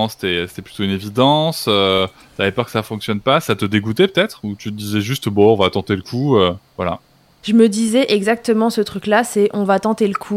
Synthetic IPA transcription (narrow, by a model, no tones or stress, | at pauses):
ɑ̃se̥t̪ɛse̥t̪ɛply̥t̪oynevid̪ɑ̃sø | t̪avɛpœʁkəsafɔ̃ksjɔnpasat̪əd̪eɡut̪ɛpø̥t̪ɛt̪χut̪yd̪izɛʒyst̪bɔ̃ɔ̃vat̪ɑ̃t̪eləkʰuøvwala̰ | ʒ̥əməd̪izɛʔɛɡzak̚t̪əmɑ̃sət̪χyklasɛʔɔ̃vat̪ɑ̃t̪eləkʰu